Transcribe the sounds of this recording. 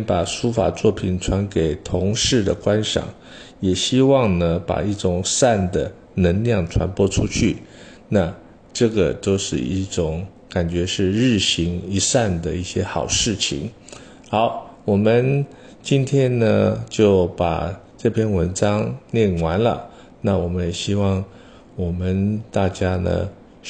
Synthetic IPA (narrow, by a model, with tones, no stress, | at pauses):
npa˨˩ʂu˥fa̰˨˩t͡swɔ˥˩pʰi˨˩nʈ͡ʂʰwa˧˥nke˨˩ɪt̪ʰʊ˧˥ŋʂɻ̩˥˩d̪ə̰˩kwa˥nʂɑ̰˨˩˦ŋ | jɛ˨˩ɕi˥wɑ˥˩˧ŋnə˨pa̰˨˩i˥˩ʈ͡ʂʊ˨˩ŋsa˥˩nd̪ə˩ | nə˧˥ŋljɑ˥˩ŋʈ͡ʂʰwa̰˧˥npwɔ˥˧ʈ͡ʂʰu˥t͡ɕʰy˥˩ | na˥˧ | ʈ͡ʂɤ˥˩ɡə̰˩t̪o˥ʊʂɻ̩˥˧i˥˩ʈ͡ʂʊ˨˩˦ŋ | ka˨˩nt͡ɕɥɛ˧˥ʂɻ̩˥˧ɻɻ̩˥˩ɕi˧˥ŋi˧˥sa˥˩nd̪ə˩i˥˩ɕjɛ˥xɑ˨˩ʊʂɻ̩˥˩t͡ɕʰḭ˨˩ŋ | xɑ˧˥˦ʊwɔ˨˩mə˦n | t͡ɕi˥nt̪ʰjɛ˥nnə˧t͡ɕjo˥˩ʊpa̰˨˩ | ʈ͡ʂɤ˥˧pʰjɛ˥nwə˧˥nʈ͡ʂɑ˥ŋnjɛ˥˩nwa˧˥nlə̰˨ | na˥˩wɔ˨˩mə˦njɛ˨˩ɕi˥wɑ˥˩ŋ | wɔ˨˩mə˦nt̪a˥˩t͡ɕja˥nə̰˧˩